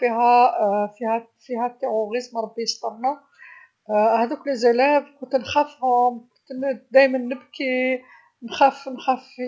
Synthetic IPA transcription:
fihæfihæ | fihæt̪ːiʕuɣizmɾˤɑbːiəst̪ˤɑɾˤnæ | hæd̪æklzælæbkʊnt̪nxæfh | t̪d̪æjmænːəbki | nxæfnxæf

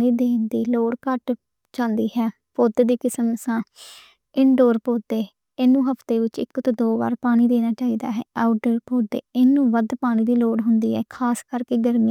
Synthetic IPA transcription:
ɽiːd̪eːnd̪iːloːɽkəʈ | t͡ʃãːnd̪iːɦɛː | poːd̪d̪iːkɪsəmsãː | ɪɳɖoːɾpoːd̪eː | ɪːnːũːɦəpʰt̪eːʋɪt͡ʃɪ̰kːt̪od̪oːba̰ːɾpaːɽ̃iːd̪eːnaːt͡ʃaːiːd̪a̰ːɦɛ̰ːaʊʈəɾpoːd̪ḛːɪnːũːʋəd̪paːɽ̃iːd̪iːloːɽɦʊnd̪iːɦɛːkʰaːskəɾkeːɡəɾmɪjãː

